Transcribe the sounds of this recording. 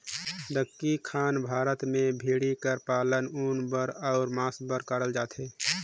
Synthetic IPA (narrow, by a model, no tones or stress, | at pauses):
d̪əkːikʰaːnbʱaːɾət̪mẽbʱiːɽikəɾpaːlənuːnbəɾɔʊɾmaːsbəɾkəɾəld͡ʒaːt̪ɦeː